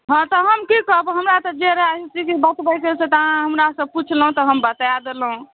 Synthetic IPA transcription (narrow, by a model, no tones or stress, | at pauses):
ɦɔ̃t̪ɔɦəmkikəɦbɦəmɾat̪ɔd͡ʒeɾəɦaɦit͡ʃʰikibət̪bəjkeset̪aãɦəmɾasəb̚put͡ʃʰləɦũt̪ɔɦəmbət̪ajad̪elɦũ